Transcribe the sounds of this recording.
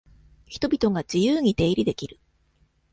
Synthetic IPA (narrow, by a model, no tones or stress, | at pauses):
çi̥t̪o̞bʲit̪o̞ɡad͡ʑijɯːɲ̟it̪e̞ːɾʲid̪e̞kʲiɾɯ̟